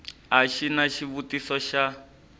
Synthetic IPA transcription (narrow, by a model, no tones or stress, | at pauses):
ɦaʃinaʃiβutisɔʃa